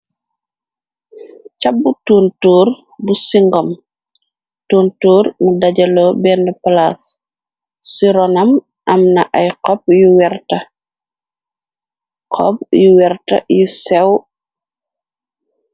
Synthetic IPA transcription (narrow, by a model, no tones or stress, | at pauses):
cabːutuːntuːr | busiŋɡɔm | tuːntuːɾmudɐɟɐlɔbɛndɛpalasː | iɾɔnɐm | ʔɐmnɐʔɐjqɔp̚juwɛrtɐ | qʰɔ̰p̚juwɛrtɐ̰jusɛw